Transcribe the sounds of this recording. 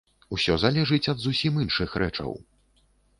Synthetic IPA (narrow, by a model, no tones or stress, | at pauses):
usʲɔzalʲɛʐɨt͡sʲɐd̪zusʲiminʂɨxɾʔɛ̰t͡ʂɐ̰w